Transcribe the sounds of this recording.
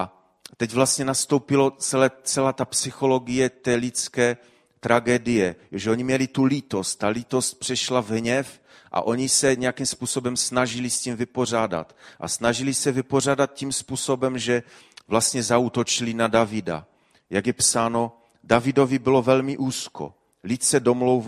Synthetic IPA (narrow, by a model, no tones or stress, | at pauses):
ʔa | t̪ɛɟvlast̪ɲɛnast̪owpɪlo̞t͡sɛlɛt͡sɛlaːt̪apsɪxo̞lo̞ɡɪjɛt̪ɛːlit͡skɛː | t̪ɾaɡɛːdɪjɛʒɛʔo̞ɲimɲɛlit̪ulit̪o̞st̪̚t̪ːalit̪o̞st̪̚pr̥ɛʃlavɦɲɛf | ʔa̰ʔo̞ɲisɛɲɛjakimspuːso̞bɛmsnaʒɪliscimvɪpor̝aːda̰t̪ʔa̰snaʒilisɛvɪpo̞r̝aːdat̪̚cimspuːso̞bɛmʒɛ | vlast̪ɲɛzauːt̪ot͡ʃilinadavɪda̰ | jaɡjɛpsaːno̞ | davɪdo̞vibɪlo̞vɛlmɪʔuːskʰo̰ | lit̪sɛdo̞mlowv